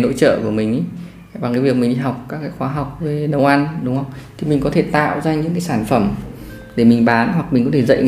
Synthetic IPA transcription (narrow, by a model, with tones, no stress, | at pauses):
no̰˧˥t͡ɕə̰ː˧˨ku˧˩mï˨˩ŋ̟ʔə˨˦j | vaː˨˩kaː˨˦vi˨˩ək̚mï˨˩ŋ̟ɗi˧ɦa˨˩wk͡p̚kaː˦˥kːaː˨˦jxwaː˨˦ɦa˨˩wk͡p̚ve˨˦ɗə˧˩wʔa˧nɗʊ˨˦ŋ͡mhə˧wŋ͡mt̪ʰi˨˩mï˨˩ŋ̟kɔ˨˦t̪ʰe˧˩t̪a̰ː˧˨wzaː˧ɲɨ̰˧˥ŋkaː˨˦jsaː˧˩nfə˧˩m | ɗe˧˩mi˨˩ŋ̟ɓaː˨˦nɦwa˨˩k̚mi˨˩ŋkɔ˨˦t̪ʰe˧˩zə̰˧˨j